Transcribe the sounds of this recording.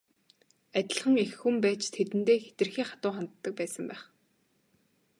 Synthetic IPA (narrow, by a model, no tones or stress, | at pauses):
æt̪ʲɪ̆ɮχə̆ŋexxumpæːt͡ɕt̪ʰet̪ɘ̆nt̪eːxe̥t̪ɘ̆rxiːχḁt̪ʊːχant̪ːə̆k̚pæːsə̆mpæːχ